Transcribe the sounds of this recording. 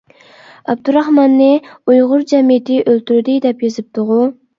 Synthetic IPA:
ɑb̚d̪uɾɑhmɑnːɨujʁʊɾd͡ʒɛmijɪt̪ʰɪʔølt̪ʰyɾɪd̪ɪd̪ɛpjyzɪp̚t̪ʰʊʁu

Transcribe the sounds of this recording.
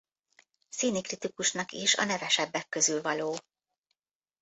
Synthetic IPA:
sinikrit̪ikuʃnɒkiʃɒ̰nɛvɛʃɛbːɛkːø̞zylvɒloː

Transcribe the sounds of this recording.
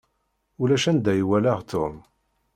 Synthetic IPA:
ulæʃænd̪æjwælæʁt̪ʰum

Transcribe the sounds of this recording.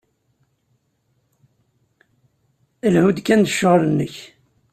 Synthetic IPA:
əlhud̪kːænd̪əʃːəʁlənːəç

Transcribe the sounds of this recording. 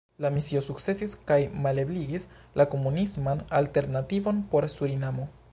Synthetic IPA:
lamisiosukse̞siskajmalebliɡis | lakomunizmanalt̪e̞ɾnat̪ivo̞npo̞ɾsuɾinamo

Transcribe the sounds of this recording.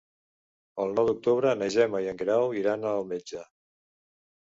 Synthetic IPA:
əlˠnɔwd̪uk̚t̪uβɾənəʒɛməjəŋɡɾawiɾanəlˠmed͡ʒə

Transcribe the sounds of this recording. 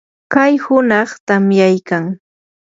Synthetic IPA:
kajhʊnɑχt̪amjajkaŋ

